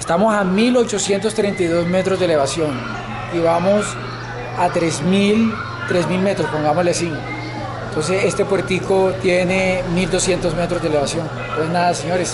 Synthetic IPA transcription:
est̪amo̞samilo̞t͡ʃo̞sje̞nt̪o̞st̪ɾent̪ajðo̞zme̞t̪ɾo̞zd̪ele̞βasjo̞n | iβamos | at̪ɾezmil | t̪ɾezmilme̞t̪ɾo̞spo̞ŋɡamozlesin | ent̪o̞ns̬e̞se̞st̪e̞pweɾt̪ikot̪je̞nemild̪o̞sje̞nt̪o̞zme̞t̪ɾozd̪eleβasjo̞n | noeznaðaseɲo̞ɾes

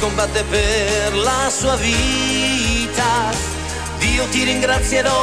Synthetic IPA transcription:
kombat̪epeɾlasuaβi | t̪a | ðiot̪iɾẽŋɡɾasjeðo

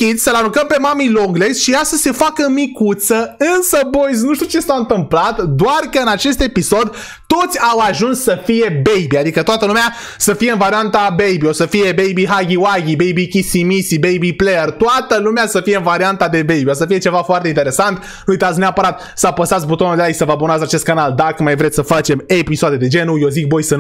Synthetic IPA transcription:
kʲit̪ʲsəlaɾukəmpe̞mamiloɡlesʃijasəse̞fakəmikut̪səɨnsəbo̞jz̬nuʃt̪iut͡ʃe̞saɨnt̪ɨmplat̪d̪oarkəɨnat͡ʃe̞st̪e̞piso̞d̪ | t̪o̞t̪sʲawaʒunsːəfije̞bejbiad̪ikət̪oat̪əlumea | səfije̞ɨnvaɾiant̪abejbiosəfije̞bejbiɦaɡʲiwaɡʲibejbikʲisimisibejbipleert̪oat̪əlumeasəfijeɨnvaɾiant̪ad̪e̞be̞jbio̞səfije̞t͡ʃe̞vafoart̪eint̪eɾesant̪ | nuujt̪at̪s̬neapəɾat̪̚ | sapəsat̪sbut̪o̞nuld̪eajsəvəabunatzat͡ʃe̞st̪kanald̪akəmajvɾet̪ssəfat͡ʃe̞me̞pisoad̪ed̪e̞d͡ʒe̞nujo̞zik̚bo̞jsɨn

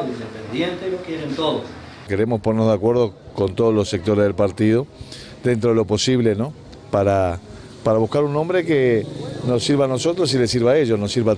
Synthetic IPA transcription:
ind̪epend̪jent̪elokjeɾent̪oðos | ke̞ɾe̞mosponeɾnozðeakwe̞ɾð̞o̞ko̞nt̪o̞ðozlo̞sek̚t̪o̞ɾe̞zðelpaɾt̪ið̞o̞ | ðent̪ɾoelo̞po̞siβleno̞ | paɾa | paɾaβ̞uhkaɾunːombɾe̞keno̞siɾβano̞so̞t̪ɾos̬ilesiɾβae̞ʒo̞snosiɾβa

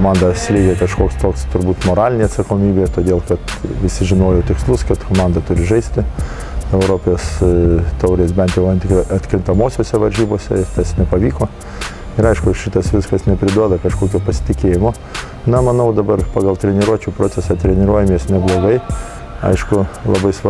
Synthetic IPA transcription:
oːmɑnd̪ɐsʲlʲeːɡʲekɐʃkoːkst̪oːkst̪ʊɾbuːt̪moːɾɑːlʲɪnʲeːɐt̪sɐkoːmʲiːbʲeːt̪oːd̪ʲeːlˠkɐt̪ʋʲɪsʲɪʒʲɪnoːjot̪ʲɪkslˠʊskɐt̪koːmɑnd̪ɐt̪ʊɾʲɪʒɐɪsʲt̪ʲɪ | ɛʊɾoːpʲjoːst̪ɐʊɾʲeːsbʲɛnt̪jɛʊɐnt̪ʲɪkɐt̪ʲkɾʲɪnt̪ɐmoːsʲoːsʲɛʋɐɾʲʒʲiːboːsʲɛ̰ɪt̪ɐsnʲɛpɐʋʲiːkoː | ɪɾɐɪʃkʊʃʲɪt̪ɐsʋʲɪskɐsnʲɛpʲɾʲɪd̪uɔd̪ɐkɐʃkoːkʲoːpɐsʲɪ̥t̪ʲɪkʲeːjɪmoː | nɐmɐnɐʊd̪ɐbɐrpɑːɡɐlˠt̪ʲɾʲɛnʲɪɾuɔt͡ʃʲuːpɾoːt͡ssʲɛsɐt̪ʲɾʲɛnʲɪɾuɔjɛmʲeːsnʲɛblˠoːɡɐɪ | ɐ̰ɪʃkʊlˠɐbɐɪsʋ

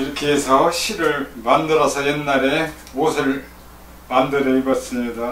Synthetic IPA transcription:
iɾʌkʰeːsʰʌɕʰiɾɯɭmandɯɾʌsʰʌjenːaɾe̞ | osʰɯɭ | mandɯɾʌibas͈ɯmɲida

